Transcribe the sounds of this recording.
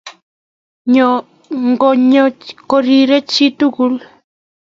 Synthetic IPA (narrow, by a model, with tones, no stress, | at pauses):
ɲɔ˨ | ŋɡɔ˨ɲɔ˦kɔ˦ɾi˦˨ɾɛ˦t͡ʃi˦t̪u˦ku˦l